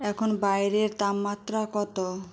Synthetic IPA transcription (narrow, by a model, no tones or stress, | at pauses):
ɛkʰonbajɾeɾt̪ammat̪ːɾakɔt̪o